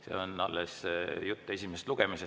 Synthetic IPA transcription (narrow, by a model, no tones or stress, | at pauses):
se̞̰ːo̞nɑlːesjut̪ːe̞sʲimest̪luɡ̥emise